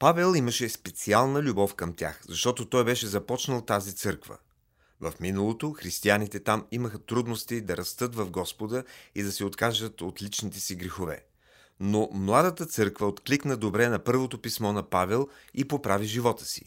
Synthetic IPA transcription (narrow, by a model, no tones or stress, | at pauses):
pavɛlˠiməʃɛspɛt̪sialˠnəlʲubɔfkəmt̪ʲja̰xzɐʃt̪ɔt̪ot̪ɔjbɛʃɛzɐpɔt͡ʃnəlˠt̪azit̪sɤɾkvə̰ | vɐfminəlˠot̪oxɾist̪ianit̪ɛt̪amiməxət̪ɾud̪nost̪id̪ɐɾɐst̪ɤt̪vɐvɡɔspod̪əid̪ɐsɛot̪kaʒd̪ət̪ot̪lit͡ʃnit̪ɛsiɡɾɛxovɛ̰ | nomlˠad̪ət̪ət̪sɤɾkvəot̪kliknəd̪obɾɛnɐpɤɾvot̪opismɔnɐpavɛlˠipopɾaviʒivɔt̪ə̥sḭ